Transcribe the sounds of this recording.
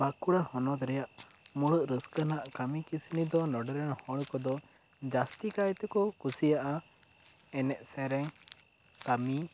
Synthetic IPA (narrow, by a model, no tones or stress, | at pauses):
bakuɽahɔnɔt̪ɾɛjaʔ | muɽəʔɾəskənaʔkamikisinid̪ɔnɔɖɛɾɛnhɔɽ̃kɔd̪ɔ | d͡ʒast̪ikajt̪ɛkɔkusijaʔa | ɛnɛʔsɛɾɛŋ | k̪ami